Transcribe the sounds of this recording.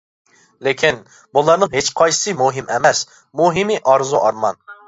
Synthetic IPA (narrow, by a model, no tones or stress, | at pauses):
lɪkʲʰin | bulˠɑɾnɨŋɦet͡ʃqʰɑjsɨ̥sɨmuɦɪmɛmɛs | muɦɪmɪʔɑɾzuʔɑɾmɑ̰n